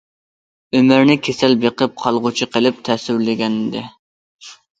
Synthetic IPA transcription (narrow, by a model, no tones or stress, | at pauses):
ømɪɾnɪkʲʰesɛlbeqəp̚qʰɑlˠʁʊt͡ʃʰiqʰəlɪp̚t̪ʰɛsyɾlɪɡʲɛnd̪ɪ